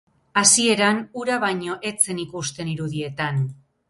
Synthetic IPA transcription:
asie̞ɾanuɾaβajɲo̞ʔe̞t͡se̞nikust̪e̞niɾuðie̞t̪an

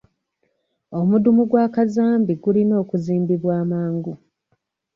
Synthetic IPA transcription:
omudumuɡwaːkazaːmbiɡulino̞ːkuziːmbiβwaːmaːŋɡu

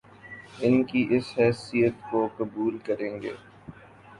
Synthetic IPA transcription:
ɪnkiʔɪsɦɛːsijət̪kokɐbuːlkɐɾẽːŋɡḛː

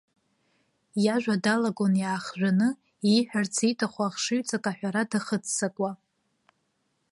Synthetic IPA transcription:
jaʒᶣʷadalaɡonjaːχʒʷᶣanɨ | iħʷᶣart͡sʰitʼaχʷaːχʂɨɥt͡sʼakʼaħʷᶣaɾadaχət͡sʰːakʷʼa

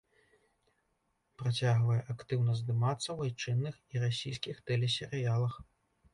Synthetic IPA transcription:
pɾat͡sʲaɣvɐjɛʔakt̪ɨwnɐzd̪ɨmat̪sːɐwajt͡ʂɨnːɨxiɾasʲijskʲixt̪ɛlʲɛsʲɛɾɨjalˠɐx

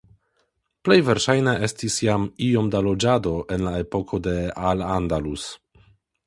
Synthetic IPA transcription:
ple̞jve̞ɾʃajneʔe̞stisjamio̞mdalo̞d͡ʒado̞ʔe̞nlae̞po̞kʰo̞de̞alandalus

